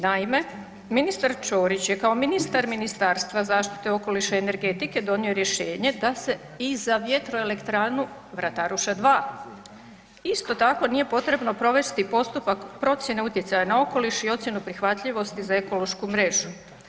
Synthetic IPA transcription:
naime̞ | minist̪aɾt͡ʃo̞ːɾit͡ɕje̞kao̞minist̪aɾminist̪aːɾst̪ʋazaːʃt̪i̥t̪e̞o̞ko̞liʃaene̞ɾɡe̞t̪ike̞d̪o̞nio̞ɾje̞ʃe̞ːɲe̞d̪ase̞ | izaʋje̞t̪ɾo̞ele̞kt̪ɾaːnu | ʋɾat̪aɾuʃad̪ʋaː | ist̪o̞t̪ako̞nije̞po̞t̪ɾe̞bno̞pɾo̞ʋe̞st̪ipo̞st̪upakpɾo̞t̪sje̞ne̞ut̪ʲje̞t̪sajanao̞ko̞liʃio̞t̪sʲje̞nupɾixʋat̪ʎiʋo̞st̪izae̞ko̞lo̞ʃkumɾe̞ʒu

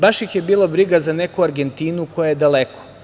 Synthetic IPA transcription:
baʃjixje̞biːlˠobɾiɡazane̞kuaɾɡe̞nt̪iːnukojajed̪alekʰo̥

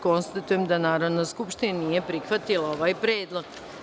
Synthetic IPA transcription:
ko̞nst̪at̪ujemd̪anaːɾaʋnoskupʃt̪inanijepɾixʋat̪ilao̞ʋaːjpɾeːd̪lˠoɡ

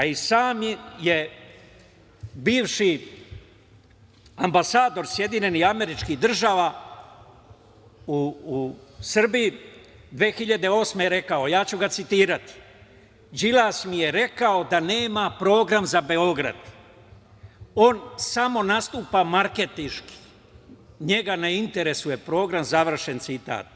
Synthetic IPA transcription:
aisaːmje | biːʋʃi | ambasaːd̪o̞ɾsje̞d̪iɲe̞niame̞ɾit͡ʃkid̪r̩ʒaːʋa | uː | sr̩biji | d̪ʋe̞ːxiʎad̪e̞o̞ːsme̞ɾe̞kao̞jaːt͡ɕuɡat̪sit̪iːɾat̪i̥ | d͡ʒilaːsmije̞ɾe̞kao̞d̪ane̞ːmapɾo̞ːɡɾamzabe̞o̞ɡɾa̰d̪̥ | o̞ːnsamo̞nast̪uːpamaɾke̞t̪iʃki̥ | ɲe̞ɡanaint̪e̞ɾe̞suje̞pɾo̞ːɡɾamzaʋr̩ʃe̞nt̪sit̪a̰ːt̪̚

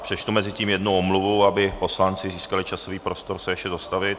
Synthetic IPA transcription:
pr̥ɛt͡ʃt̪umɛzɪciːmjɛdnowʔomluvowabɪpo̞slant͡sɪziːskalɪt͡ʃaso̞viːpɾo̞st̪o̞ɾsɛjɛʃcɛzost̪avɪt̪̚

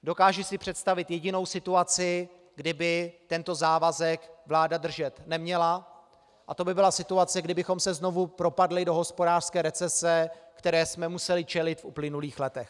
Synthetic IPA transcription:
do̞kaːʒʊsɪpr̥ɛt̪st̪avɪt̪jɛɟɪno̞wsɪt̪uat͡sɪ | ɡdɪbɪt̪ɛnt̪o̞zaːvazɛkvlaːdad̪r̩ʒɛt̪nɛmɲɛla | ʔat̪o̞bɪbɪlasɪt̪uat͡sɛɡdɪbɪxo̞msɛzno̞vupɾo̞padlɪdo̞ɦo̞spo̞daːr̥skɛːɾɛt͡sɛsɛkt̪ɛɾɛːsmɛmusɛlɪt͡ʃɛlɪt̪fʔuplɪnuliːxlɛt̪ɛx

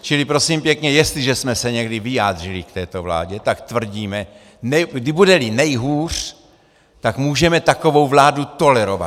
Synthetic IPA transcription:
t͡ʃɪlipɾo̞simpjɛkɲɛjɛst̪liʒɛsmɛsɛɲɛɡdivɪjaːd̪r̝ɪlɪkt̪ɛːt̪o̞vla̰ːɟɛt̪akt̪vr̩ɟiːmɛ | nɛɡdɪbudɛlinɛjɦuːr̝̥ | t̪akmuːʒɛmɛt̪ako̞vo̞wvlaːdut̪o̞lɛɾova̰t̪

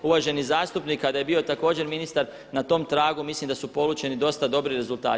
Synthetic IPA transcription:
uʋaʒe̞nizaːst̪upnikːad̪ajebio̞t̪ako̞ːd͡ʑe̞ɾminist̪aɾ | nat̪o̞mt̪ɾaːɡumislimd̪asupo̞lˠut͡ɕe̞nid̪o̞st̪ad̪o̞bɾiɾe̞zulˠt̪a̰ː

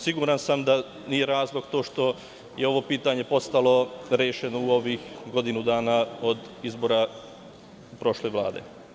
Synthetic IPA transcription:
siɡuːɾansamd̪a | nije̞ɾaːzlˠo̞ɡt̪o̞ːʃt̪o̞ | jeo̞ʋo̞piːt̪aɲe̞po̞st̪alo̞ɾe̞ːʃe̞nouo̞ʋiːxɡo̞d̪inud̪aːnao̞d̪izbo̞ːɾa | pɾo̞ːʃle̞ːʋla̰ːd̪ḛ

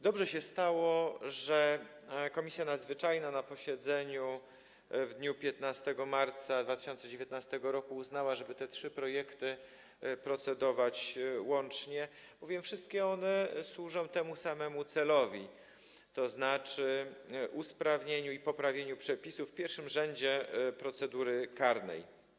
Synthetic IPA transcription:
d̪ɔbʐɛɕɛst̪awɔʐɛ | kɔmʲisʲjanad̪zvɘt͡ʂajnanapɔɕɛd̪zɛɲu | vd̪ɲupʲjɛt̪nast̪ɛɡɔmaɾt̪sad̪vat̪ɘ̥ɕɔnt̪sɛd͡ʑevʲjet̪̚nast̪ɛɡɔɾɔkuːznawaʐɛbɘt̪ɛtʂɘpɾɔjɛkt̪ɘ | pɾɔt̪sɛd̪ɔvat͡ɕwɔnt͡ʂɲɛ | b̥ɔvʲjɛmfʂɘst̪̚kʲɛɔnɛswuʐɔ̃w̃t̪ɛmusamɛmut̪sɛlɔvʲi | t̪ɔznat͡ʂɘʔuspɾavɲeɲuipɔpɾavʲjeɲupʂɛpʲisufːpʲjɛɾfʂɘmʐɛɲd͡ʑɛpɾɔt̪sɛd̪uɾɘkaɾnɛ̰j

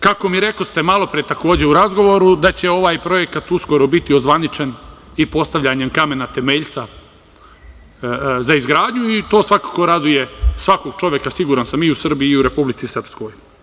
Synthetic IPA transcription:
kako̞miɾe̞kost̪e̞malˠo̞pɾijet̪ako̞ːd͡ʑe̞uɾazɡo̞ʋo̞ɾud̪at͡ɕe̞o̞ʋaːjpɾo̞je̞kat̪usko̞ɾo̞bit̪iozʋanit͡ʃe̞n | ipo̞st̪aʋʎaɲe̞mkame̞nat̪e̞meʎt̪sa | zaizɡɾaːd̪ɲuit̪o̞ːsʋakako̞ɾad̪uje̞sʋako̞ɡ̚t͡ʃo̞ʋjekasiɡuːɾansamiusr̩biːuɾe̞publit̪sisr̩psko̞j

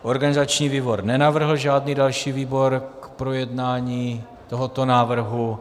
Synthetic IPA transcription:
ʔo̞ɾɡanɪzat͡ʃɲiːviːbo̞ɾnɛnavr̩ɦl̩ʒaːdniːdalʃiːviːbo̞ɾkpɾojɛdnaːɲiː | t̪oɦot̪o̞naːvr̩ɦu

